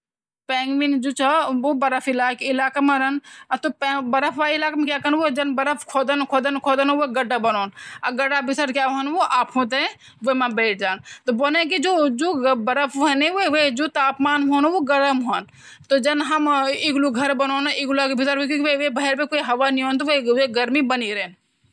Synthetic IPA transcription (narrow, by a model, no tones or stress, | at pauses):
pɛ̃ːŋɡmind͡ʒoːt͡ʃʰɐʋobɐɾəpʰilaːkɪlaːkameɾənat̪opːbɐɾəpʰʋaːilaːkamẽkjaːkənʋod͡ʒɐnbɐɾəpʰkʰoːd̪ənkʰoːd̪ənkʰoːd̪ənʋoɡɐɖabɐnoːna̰ɡɐɖabʱisəɾkjaʋoɦənʋoʔaːpʰõt̪̬ẽ | ʋomãbeːʈʰd͡ʒaːnt̪obonẽk̬id͡ʒoːd͡ʒoːbɐɾəpʰʋoɦəneʋeʋed͡ʒoːt̪aːpmaːnɦoːnʋoɡɐɾəmɦon | t̪od͡ʒɐnɦɐmɪɡluɡʱɐɾbɐnoːnɪɡlakbʱɪsəɾɦokõkiʋeʋebɐɦɛɾpẽkoːiɦɐʋaniɦoːnt̪oʋeeɡɐɾmibɐniɾən